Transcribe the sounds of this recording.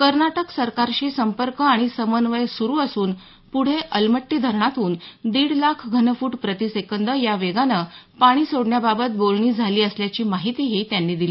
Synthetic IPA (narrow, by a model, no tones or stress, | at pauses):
kəɾnaʈəksəɾkaɾɕiːsəmpəɾkəaɽ̃isəmənʋəjsuɾuːəsuːn | puɽ̤eʔəlməʈːiːd̪ʱəɾɳat̪uːnd̪iːɽlakʰɡʱənəfuːʈpɾət̪isekənd̪əjaʋeɡanəːpaɽ̃iːsoɽɳjababət̪̚bolɳiːd͡zʱaliːəsljat͡ɕiːmaɦit̪iːɦiːt̪janːiːd̪iliː